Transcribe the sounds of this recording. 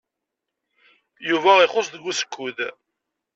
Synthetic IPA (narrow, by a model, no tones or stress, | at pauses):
juvæɪχosˤðəɡʷːusə̥kːuð